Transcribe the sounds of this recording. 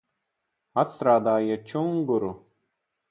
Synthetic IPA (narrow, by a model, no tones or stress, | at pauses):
at̪st̪ɾaːd̪aːjat͡ʃuŋɡuɾu